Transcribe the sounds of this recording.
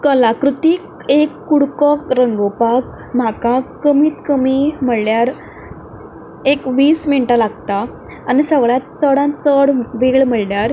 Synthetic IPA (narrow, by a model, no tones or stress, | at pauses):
kəlakɾut̪ik | ekːuɽkɔkɾəŋɡopak | m̤akakəmiːt̪kəmim̤əɽljaɾ | ekʋiːsminʈalaɡt̪aː | nisəɡɭjãt̪̚t͡səɽãt͡səɽʋeɭm̤əɭljaɾ